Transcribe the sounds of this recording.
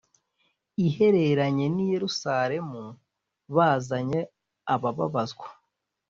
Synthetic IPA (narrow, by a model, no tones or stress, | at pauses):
ihe̞ɾe̞ɾaɲe̞nije̞ɾusaɾe̞mu | βaːzaɲe̞ | aβaβa̰βazɡwḁ